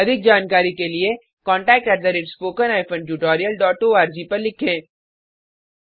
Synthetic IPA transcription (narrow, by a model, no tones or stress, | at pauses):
ɐd̪ʱɪk̚d͡ʒaːnkaːɾikelie | kɔ̃ːɳʈɛːk̚ʈɛʈ̚d̪ɐɾɪɾspoːkənaːɪpʰə̃nʈuːʈoːɾijəlɖɔːʈːoːaːɾd͡ʒipɐɾlɪkʰẽː